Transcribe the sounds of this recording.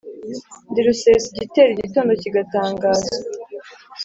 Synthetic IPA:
ndiɾusesɟite̞ɾiɟito̞ːndo̞ciɡataːŋɡaːza

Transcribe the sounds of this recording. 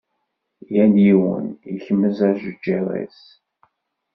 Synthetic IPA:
jænjiwə̰niçəmːəzæʒəd͡ʒːaɾḛs

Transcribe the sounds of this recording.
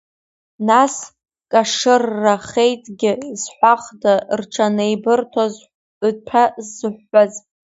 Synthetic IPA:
nas | kʼaʂɨrːaχejtʼɡʲɪzħʷaχdarʈ͡ʂʰanejbɨrtʰoz | tʰazːɨħːaz

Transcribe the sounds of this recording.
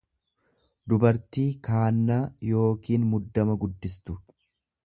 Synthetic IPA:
d̪ʊbɐɾt̪iːkaːnːaːjo̞ːkiːnmʊd̪ːɐmɐɡʊd̪ːɪst̪ʊ

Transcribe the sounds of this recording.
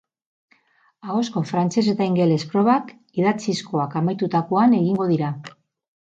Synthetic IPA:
aɣo̞sko̞fɾant͡se̞s̬e̞t̪aiŋɡe̞le̞spɾo̞βak | iðat͡sisko̞akamajt̪ut̪akoane̞ɣiŋɡo̞ð̞iɾa

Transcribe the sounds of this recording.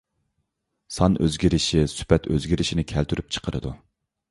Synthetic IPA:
sɑnʔøzɡʲiɾɪʃisy̥pɛt̪ʰøzɡʲiɾɪʃinɪkʲʰælt̪ʰyɾyp̚t͡ʃʰə̥qʰəɾɨ̰d̪u

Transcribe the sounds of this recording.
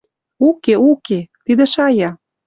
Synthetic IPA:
ukeuket̪id̪ĕʃɑjɑ

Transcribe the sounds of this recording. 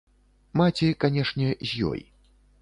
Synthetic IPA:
mat͡sʲikanʲɛʂnʲɛzʲjɔ̰j

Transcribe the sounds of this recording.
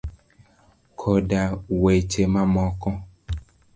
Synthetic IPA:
kʰɔdawet͡ʃemãmɔkɔ

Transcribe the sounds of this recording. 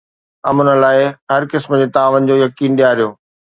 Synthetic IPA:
ɐmʊnəlaːɪɦɐɾkɪsmd͡ʑeːt̪aːʋənɪ̆d͡ʑoːjɐkiːnɗijaːɾijoː

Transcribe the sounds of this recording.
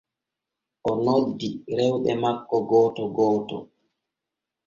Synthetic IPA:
ʔɔnodːiɾɛwɗɛ̰makːɔɡɔːtɔɡɔːtɔ̰

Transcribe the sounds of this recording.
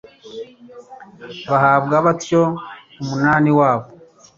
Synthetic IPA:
βahaːbɡaβatjo | umunaːniwaːβo

